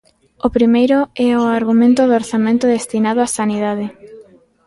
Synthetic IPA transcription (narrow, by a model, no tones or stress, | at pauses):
ʊpɾimejɾʊɛoaɾɣumẽnt̪ʊðoɾθamẽnt̪ʊðest̪inaðʊasaniðaðɪ